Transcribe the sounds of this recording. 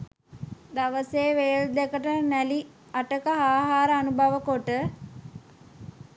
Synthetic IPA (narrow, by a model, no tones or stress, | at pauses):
d̪aʋəseːʋeːld̪ekəʈənæli | aʈəkəɦaːɦaːɾəanubʱaʋəkoʈə